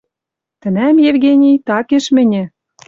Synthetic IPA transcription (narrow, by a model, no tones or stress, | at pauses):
t̪ɘ̆næmjevɣʲenʲijt̪ɑkeʃmɘ̆nʲɘ̆